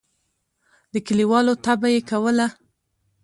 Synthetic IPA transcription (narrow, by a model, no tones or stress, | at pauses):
d̪əkaliwɑlot̪abajekawəla